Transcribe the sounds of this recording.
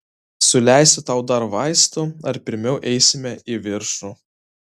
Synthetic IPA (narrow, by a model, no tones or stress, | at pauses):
sʊlʲæˑɪsʲʊt̪ɑʊd̪ɐɾʋɑɪst̪ʊɐɾpʲɪɾʲmʲɛʊʔɛɪsʲɪmʲɛiʋʲɪɾʃu